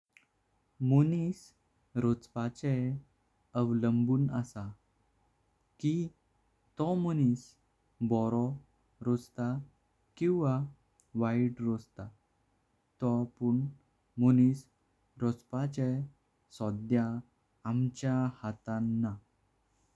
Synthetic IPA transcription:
monis | ɾot͡spat͡ɕɛ | əʋləmbuːnəsa | ki | t̪ɔmonis | bɔɾɔ | ɾod͡zt̪a | kĩw̃ʋa | ʋaiʈɾod͡zt̪a | t̪ɔpuɳ | monis | ɾɔt͡spat͡ɕɛ | sɔd̪jaː | mt͡ɕjahat̪anːa

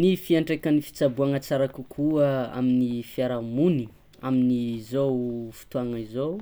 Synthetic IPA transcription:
nifiaɳʈ͡ʂekanifi̥t͡sabuaŋat͡saɾakukʰuəa̰minifiaɾamuni | aminizowfi̥t̪uaŋizow

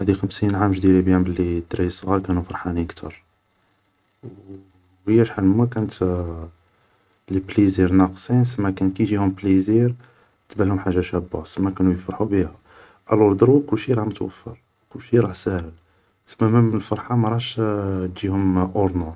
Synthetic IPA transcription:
æd̪ixəmsinʕamʒd̪ilibjæmbəlːid̪ɾisˤɣɑɾkænufɑɾˤħaniəkt̪ʰɑɾˤ | w | həjːæʃħalmækænət̪ | lipliziɾnɑqsˤins̬əmːækænkiʒihʊmpliziɾ | t̪bælhʊmħaʒːæʃæbːɑsəmːækænujfɑɾˤħubihæ | ʕælʊld̪ɾˤwukʊlːʃiɾˤɑʕmət̪wə̰fːə̰ɾ | kʊlːʃiɾˤɑʕsæhəl | səmːæmæmənəlfɑɾˤħɑmɑɾˤɑʃʒihʊmʔʊɾnuɾ

